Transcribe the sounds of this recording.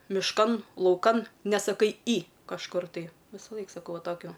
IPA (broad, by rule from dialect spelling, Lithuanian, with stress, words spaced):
mʲɪʃˈkɐn lˠɐʊˈkɐn nʲɛsɐˈkɐɪ iː kɐʃˈkʊr tɐɪ ʋʲɪsɐˈlˠɐɪk sɐˈkɐʊ ʋɐ ˈtoːkʲʊ